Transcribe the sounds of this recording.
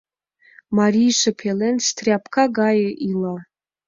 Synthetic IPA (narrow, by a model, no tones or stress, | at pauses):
maɾijʂapʰelenstʰrʲapʰkʰaɡajʔila